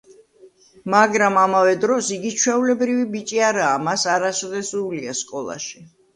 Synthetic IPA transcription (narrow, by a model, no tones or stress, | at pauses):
maɡɾamamavɛd̪ɾɔsiɡit͡ʃʰwɛulɛbɾivibit͡ʃʼiaɾaːmasaɾasd̪ɛsuliaskʼɔlˠa̰ʃi